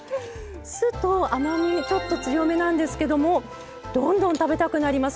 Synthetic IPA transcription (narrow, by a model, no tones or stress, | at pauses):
sɨt̪oamaɲ̟ʲit͡ɕo̞t̪ːo̞t͡sɨjo̞me̞nãnd̪e̞sɨ̥ke̞d̪o̞mo̞ | d̪̥õ̞nd̪õ̞nt̪abe̞t̪akɯ̟naɾʲimasɨ̥